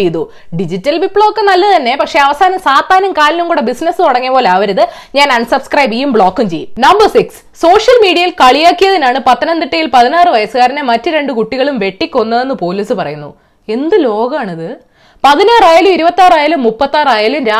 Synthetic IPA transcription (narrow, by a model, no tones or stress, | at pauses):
ejnːu | ɖid͡ʑitːɐlʋipːɭoːkːenɐlːɐt̪ɐnːe̞pɐkʂe̞ɐʋɐsaːnɐmsaːt̪ːaːnɐmkaːlinumkuːɽebisnɐsɨt̪oɽɐŋːiɐpoːleaːʋɐɾɐðɨɲaːnɐɳɖsɐbskrɐjbiːjumbɭo̞ːkːumt͡ɕḛjṵnɐmbɐrsiks | so̞ːʂjɐlmiːɽijɐjilkɐɭijaːkːijɐðinaːɳɨpɐt̪ːɐnɐnd̪iʈːɐjilpɐðinaːrɨʋɐjɐsɨɣaːɾinemɐtːɨɾe̞ɳɖɨkuʈːiɣɐɭumʋe̞ʈːikʲːo̞nːɐe̞nːɨpo̞ːliːsɨpɐrɐ̰junːṵ | e̞nd̪ɨlo̞ːɡɐaːɳiðɨ | pɐðinaːraːjɐlumiɾubɐt̪ːaːraːjɐlumːupːɐt̪ːaːraːjɐlumɾaː